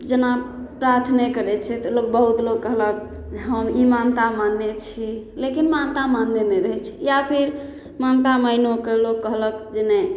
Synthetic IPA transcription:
d͡ʒəna | pɾaɾt̪ʰnekəɾɛt͡ʃʰɛt̪ɔlok̚bəɦut̪loɡkəɦlək̚ | ɦəmimant̪amanːet͡ʃʰi | lekinmant̪amanːenɛɾəɦɛt͡ʃʰi̥japʰiɾ | mant̪aməinokelokːəɦləkd͡ʒenɛ

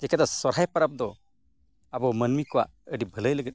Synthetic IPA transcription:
d͡ʒɛkad̪ɔsɔɾɦajpəɾap̚d̪ɔ | abɔmənmikɔwa̰ʔəɖibʱələjləɡɛt̚

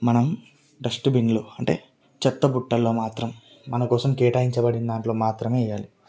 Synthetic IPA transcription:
mɐnɐm | ɖɐsʈbinluɐɳʈe̞̰ː | t͡ʃɐt̪ːɐbuʈːɐlːo̞ːmaːt̪ɾɐm | mɐnɐkɔːsɐmkɛːʈaːjiɲt͡ʃɐbɐɽind̪aːɳʈlo̞ːmaːt̪ɾɐme̞ːɐjːaːli

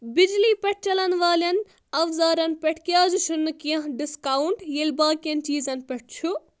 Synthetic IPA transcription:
bid͡ʒlipʲeʈ̚ʰt͡ʃɐlɐnʋaːlɐn | ɐwzaːɾɐnpʲeʈʰkijaːd͡ʒut͡ʃʰunːɨkijɐ̃ɦɖiskawɳʈjelʲbaːkijɐnt͡ʃiːzɐnpʲeʈ̚ʰt͡ʃʰu

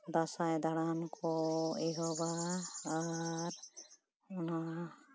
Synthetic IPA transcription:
d̪asajd̪aɽankʰɔeɦɔbaː | ɾ | ɔna

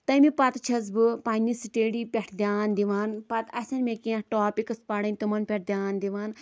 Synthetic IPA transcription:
t̪ɐmipɐt̪t͡ʃʰɐz̬bɨpaːnisɨʈeːɽipʲeʈʰd̪ʲjaːnd̪iʋaːnpɐt̪ɐsʲɐnmʲekĩʈoːpʲikɨspɐɽɐnʲt̪umɐnpʲɛʈ̚ʰd̪ʲjaːnd̪iʋaːn

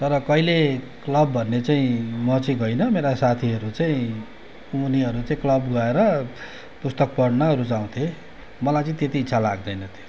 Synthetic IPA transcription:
t̪ʌɾʌkʌile | klʌbːʱʌnːet͡saĩmʌt͡saĩɡʌjnʌmeɾasat̪ʰiɦʌɾut͡saĩ | uniʌɾut͡saĩklʌbɡʌeɾʌ | pust̪ʌk̚pʌɽnʌʌɾut͡saũt̪ʰje | mʌlajt͡sʌĩt̪et̪iːt͡sʰala̰ɡd̪ʌjnʌt̪ʰjo̥

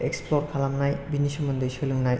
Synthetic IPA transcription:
eksplɔɾkʰalamnajbiniʃɔmɔnd̪ɯjʃɯluŋnaj

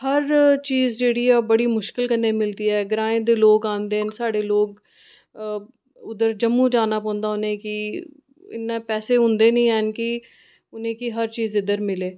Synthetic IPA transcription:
həɾt͡ʃiːzd͡ʒeːɽiːaːbəɽiːmʊʃkɪlkəɾnːeːmɪlt̪iːɛːɡɾãːẽːd̪eːloːɡãːnd̪eːnsaːɖeːloːɡ | ʊd̪əɾd͡ʒəmːũːd͡ʒaːnaːpɔ̃ːnd̪aːʊnẽːkɪ | ɪ̰nːẽːpɛːseːɦʊ̃nd̪eːnəĩːɛːnkɪ | ʊnẽːkiɦəɾt͡ʃiːzɪd̪əɾmɪleː

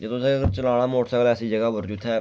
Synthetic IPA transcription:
d͡ʒet̪osẽəɡəɾt͡ʃəlaːɽ̃aːmoːʈsəklɛːsiːd͡ʒəɡaːʋəɾd͡ʒuːt̪ʰɛ

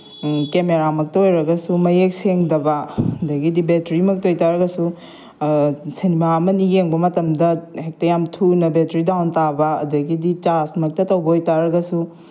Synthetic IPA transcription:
kemeɾamɐk̚tɐojɾɐɡɐsumɐjek̚seŋdɐbɐɐdɐɡidibetɾimɐk̚tojtaɾɐɡɐsu | senimamɐnijeŋbɐmɐtɐmdɐhek̚tɐjamtʰunɐbetɾidawntabɐɐ̰dɐɡidit͡ʃasmɐk̚tɐtɐwɡojtaɾɐɡɐsu

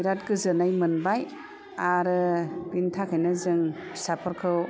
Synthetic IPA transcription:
iɾat̚ɡɯzɯnajmɯnbaj | aɾɯbintʰakʰajnɯzɯŋsapʰɔɾkʰɯw

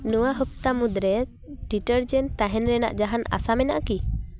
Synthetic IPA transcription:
nuwaɦəp̚t̪amud̪ɾɛ | ʈiʈəɾd͡ʒɛnt̪aɦɛnɾɛna̰ʔd͡ʒaɦana̰samɛna̰ʔki

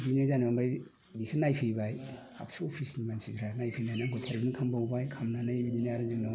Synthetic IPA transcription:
dinazanɔmɾj | bisinajpʰibaj | a̰psopʰisnibansitʰɾanajpʰinajnaɡɔtʰeɾbnikʰambawbajkʰamnanabidinaaɾazaŋnɔ

